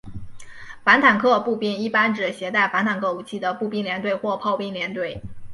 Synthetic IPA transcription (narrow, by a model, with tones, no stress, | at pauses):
fa˧˥nt̪ʰa˨˩nkʰɤ˥˧pu˥˧pi˥˩ni˥˩pa˥nʈ͡ʂɻ̩˨˩ɕjɛ˧˥t̪a˥˩ɪfa˧˥nt̪ʰa˨˩nkʰɤ˥˩u˨˩t͡ɕʰi˥˩d̪ə˩pu˥˧pi˥˩ŋljɛ˧˥nt̪we˥˧ɪxwɔ˥˧pʰɑ˥˧ʊpi˥˩ŋljɛ˧˥nt̪we˥˩ɪ